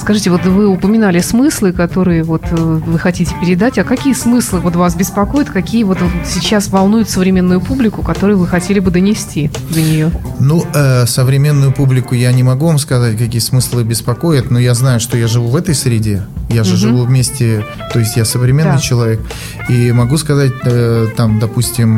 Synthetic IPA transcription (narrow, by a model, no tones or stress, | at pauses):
skɐʐɨtʲɪvo̞t̪vɨʊpəmʲɪnalʲɪsmɨslˠɨkɐt̪o̞ɾɨjəvo̞t̪əvɨxɐtʲitʲɪ̥pʲɪɾʲɪd̪atʲɐkɐkʲijəsmɨslˠɨvo̞t̪vasbʲɪspɐko̞jʊt̪kɐkʲijəvo̞t̪vosʲɪt͡ɕːasvɐlˠnujʊt̪səvɾʲɪmʲe̞nːʊjʊpublʲɪkʊkɐt̪o̞ɾʊjʊvɨxɐtʲelʲɪbɨd̪ənʲɪsʲtʲi | d̪ənʲɪjo̞nuəsəvɾʲɪmʲe̞nːʊjʊpublʲɪkʊjanʲɪmɐɡuvamskɐzatʲkɐkʲijəsmɨslˠɨbʲɪspɐkojɪt̪nojaznajʊʂt̪o̞jaʐɨvuvɛt̪əjsʲɾʲɪdʲe̞jaɨʐɨvuvmʲesʲtʲɪ | t̪o̞jɪsʲtʲjasəvɾʲɪmʲenːɨjt͡ɕɪlˠɐvʲe̞k̚ | imɐɡuskɐzat̚ʲət̪amd̪ɐpusʲtʲɪm